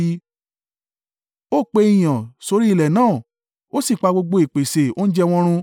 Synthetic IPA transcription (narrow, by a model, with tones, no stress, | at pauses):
i˧˦ | o˦˨k͡pe˧˦i˨j̃ã˨so˧ɾi˦i˦˨lɛ˨nãː˦˨ | o˦si˦˨k͡pa˧ɡ͡bo˧ɡ͡bo˧˦i˨k͡pe˨se˨o˦n̩˦d͡ʒɛ˦˧w̃ɔ̃˧ɾ̃ũ˧